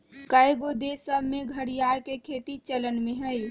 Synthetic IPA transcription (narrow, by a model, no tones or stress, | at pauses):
kajɡod̪esəbʱmeɡʱəɽijaɾkekʰet̪it͡ʃələnmẽɦəj